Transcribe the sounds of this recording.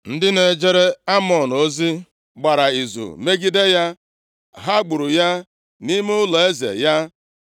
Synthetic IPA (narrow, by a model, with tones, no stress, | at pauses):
n̩˦dɪ˦ne˨d͡ʒe˦ɾe˦a˦mɔ˨n˨o˦zi˦ | ɡ͡ba˨ɾa˨i˨zṵ˨me˦ɡi˦de˦ja˦ | ɦa˦ɡ͡bʊ˨ɾu˨ja˦ | ni˦me˦ʊ˦lɔ˨e˦zḛ˨ja˦